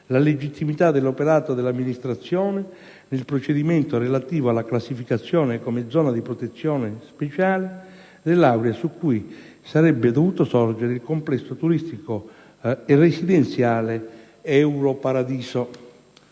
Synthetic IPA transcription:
laled͡ʒit̪ʰːimit̪ad̪elːopeɾaːt̪od̪elːamːinist̪ɾat̪sːjɔːnɪ | nelpɾot͡ʃed̪imɛnt̪orelat̪iːvoalːaklasːifikat̪sːjɔːnekomed̪zːɔːnad̪ipɾot̪et̪sːjɔːnespet͡ʃaːle | d̪elːawɾjasukːuj | saɾɛbːed̪ovuːt̪osɔrd͡ʒeɾeilkomplɛsːot̪uɾist̪iko | eresid̪ɛnt̪sjaːle | ɛwɾopaɾad̪iːso

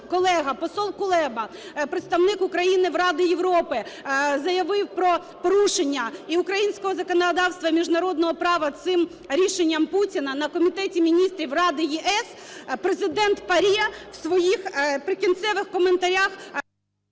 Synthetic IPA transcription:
kɔlˠɛɦɐpɔsɔlˠkʊlˠɛbɐpɾɪt̪st̪ɐʋwnɪkʊkɾɐjinɪwrɑd̪ɪjeʋɾɔpɪzɐjɐʋɪwpɾɔ | pɔɾuʃenʲːɐiʊkɾɐjinʲsʲkɔɦɔzɐkɔnɐd̪ɑwst̪ʋɐmʲiʒnɐɾɔd̪nɔɦɔpɾɑʋɐt̪sɪm | ɾʲiʃenʲːɐmputʲinɐnɐkɔmʲit̪ɛtʲimʲinʲist̪ɾʲiwrɑd̪ɪjiʔɛspɾezɪd̪ɛnt̪pɐɾʲɛwsʋɔjixpɾɪkʲint̪sɛʋɪxkɔment̪ɐɾʲax

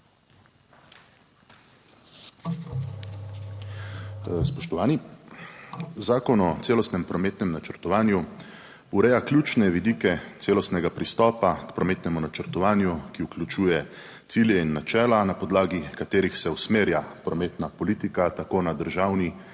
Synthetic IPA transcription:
spɔʃt̪ɔʋaːni | zaːkɔnɔt̪seːlɔst̪nɛmpɾɔmeːt̪nɛmnat͡ʃəɾt̪ɔʋaːnju | uɾɛjakljuːt͡ʃnɛʋid̪iːkɛt̪seːlɔst̪nɛɡapɾist̪ɔːpakpɾɔmeːt̪nɛmunat͡ʃəɾt̪ɔʋaːnjukiuklʲjut͡ʃuːjɛ | t̪siːljɛinːat͡ʃɛːlanapɔd̪laːɡikat̪eːɾixsɛusmeːɾjapɾɔmeːt̪napɔliːt̪ikat̪akoːnad̪əɾʒaːwni

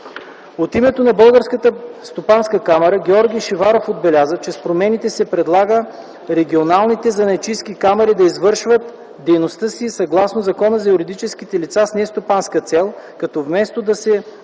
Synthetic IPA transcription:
ot̪imɛt̪onɐbɤlˠɡəɾskət̪əst̪opanskəkamɛɾəɡʲɛɔɾɡ̟ʲijʃivaɾofod̪̚bɛlʲazət͡ʃɛspɾomɛnit̪ɛsɛpɾɛd̪lˠaɡə | ɾɛɡʲionalˠnit̪ɛzɐnɐt͡ʃisk̟ikamɛɾid̪ɐizvɤɾʃvət̪ | d̪ɛjnost̪ɤsisɐɡlˠasnozɐkɔnəzɐjuɾid̪it͡ʃɛsk̟it̪ɛlit̪sasnɛst̪opanskət̪sɛlˠkɐt̪ɔvmɛst̪od̪ɐsɛ

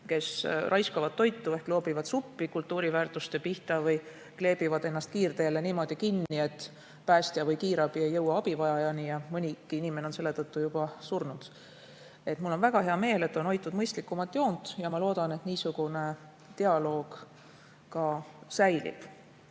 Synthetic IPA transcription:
ke̞srʔɑjskɑvɑd̪̥̚ːo̞jt̪ːue̞hklo̞ːbivɑd̪̥supːikult̪ːuːɾivæːrt̪ˑust̪e̞piht̪ɑvɤj | kle̞ːb̥ivɑd̪̥e̞nːɑst̪̚kiːrd̪e̞ːle̞niːmo̞d̪̥ikinːie̞t̪ː | pæːst̪iɑvɤjkiːɾɑb̥iejːɤwːɑɑb̥ivɑjɑjɑnijɑmɤnʲikːiinimeneonse̞lːe̞t̪ɤt̪ːujub̥ɑsurnud̪̥ | e̞t̪mulːo̞nvæɡ̥ɑɦe̞ɑme̞ːle̞t̪ːˑo̞no̞jt̪ːˑud̪mɤjst̪likːˑumɑt̪ːˑjo̞ːnd̪̥jɑmɑlo̞ːd̪̥ɑne̞t̪niːsuɡ̥une̞ | t̪e̞ɑlo̞ːɡ̥ | kɑsæjlḭb̥

